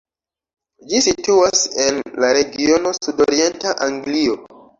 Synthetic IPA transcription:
d͡ʒisituasenlaɾe̞ɡio̞no̞sudoɾie̞ntaʔaŋɡlio

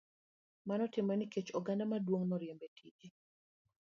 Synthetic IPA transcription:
manɔtɪmɔniket͡ʃɔɡandamadwoŋnɔɾjembetʰiʔe

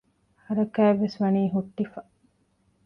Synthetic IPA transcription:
hɐɾɐkæːeʋːesʋɐniːɦuʈːifɐ

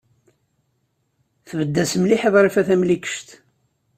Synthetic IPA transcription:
θvəd̪ːæsmliħeðˤɾˤifæθæmlikə̥ʃt̪

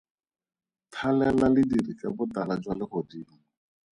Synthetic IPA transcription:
tʰalɛlalɪdirikabʊt̪alad͡ʒwalɪχɔdiːli

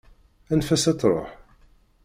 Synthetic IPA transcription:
ænfæsæt͡sːɾˤo̰ħ

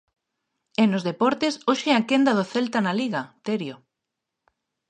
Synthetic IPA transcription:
enozðepɔɾt̪esoʃeɛakend̪ɐð̞oθelt̪analiɣɐt̪eɾjo

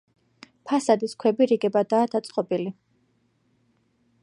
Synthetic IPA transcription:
pʰasad̪iskʰwɛbiɾiɡɛbad̪aːd̪at̪sʼqʼɔbili

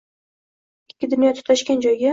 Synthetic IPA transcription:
ɪkʲʰːɪd̪ʊnjɒt̪ʰʊ̥t̪aʃkʲand͡ʒɒjɡʲa

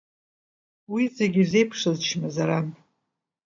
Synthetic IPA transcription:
wizeɡʲize̞jpʰʂɨzt͡ʃʰmazaɾan

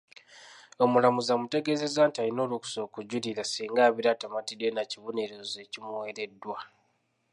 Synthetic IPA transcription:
o̞mulamuzamute̞ɡe̞ze̞zaːntiaɾino̞ːluku̥so̞ːkuɟuliɾasiːŋɡaːβiɾatamatidenaciβoneɾoze̞cimuweɾe̞dːwa

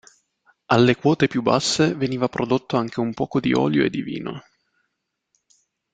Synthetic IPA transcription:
alːekwɔːt̪epjubːasːeveniːvapɾod̪ot̪ːoaŋk̟eumpɔːkod̪ḭʔɔ̰ːljoḛd̪ːivḭːno̰

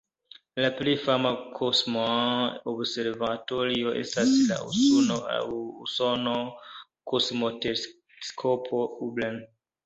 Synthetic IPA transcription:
laplifamakʰosmoãɔbseɾvatɔɾioʔḛstasila̰ṵsunoa̰uusɔnokʰosmote | skʰɔpʰoublan

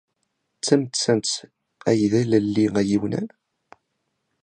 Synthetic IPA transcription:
t͡sːæmt͡sːænt͡s | æjðælælːiæjiwnæ̰n

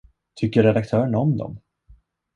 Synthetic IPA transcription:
t̪ʰʏkːəɾɛd̪ak̚t̪ʰœːɾəɳɔmd̪ɔ̰m

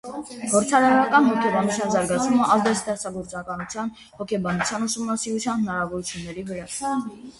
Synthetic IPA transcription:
ɡɔɾt͡sʰɑɾɑɾɑkɑnhɔkʰɛbɑnut͡sʰjɑnzɑɾɡɑt͡sʰvuməɑzd̪ɛst̪ɛχt͡sʰɑɡɔɾt͡sɑkɑnut͡sʰjɑn | hɔkʰɛbɑnut͡sʰjɑnusumnɑsiɾut͡sʰjɑnhənɑɾɑvɔɾut͡sʰjunːɛɾivəɾɑ

